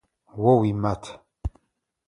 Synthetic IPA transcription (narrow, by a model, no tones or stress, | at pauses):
wɔwimat̪ʰ